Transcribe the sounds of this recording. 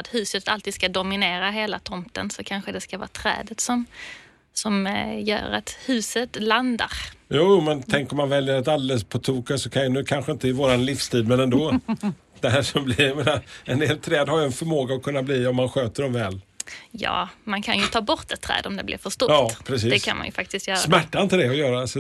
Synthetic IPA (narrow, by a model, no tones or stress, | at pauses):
at̪hʉ̟ːsət̪alt̪iːd̪skad̪ʊmɪneːɾaɦeːlat̪ʰɔmt̪ə̰nsɔkʰanɧəd̪ɛskavɑ̰ːt̪ʰɾɛ̰ːd̪ət̪sɔm | sɔmjœ̰ːɾa̰t̪hʉ̟ːsət̪land̪a̰ɾjuːjmɛnt̪ʰɛŋkɔmːanvɛljəɾat̪̬ald̪ɛləspʰɔt̪ʰuːkasɔkʰanjnʉ̟ːkʰanɧəɪnt̪əɪvoːɾanlɪfst̪ʰiːd̪mɛnɛnd̪oː | d̪ɛɦæʂɔmblɪajameːnaɛnd̪eːlt̪ʰɾɛːd̪haɾjəɛnfœɾmoːɡaɔkʰɵnːabliːɔmːanɧøːt̪əɖɔmvɛːljɑ̰ːmankʰanjɵt̪ʰɑːbɔɾt̪ɛt̪ʰːɾɛ̰ːd̪ɔmd̪ɛblɪ̰ɾfœʂt̪ɔjɑːpʰɾɛs̬iːd̪ɛkʰa̰nma̰njɵfak̚t̪ɪst̪jœːɾsamæʈːaɪnt̪əd̪ɛɔjœːɾasɔ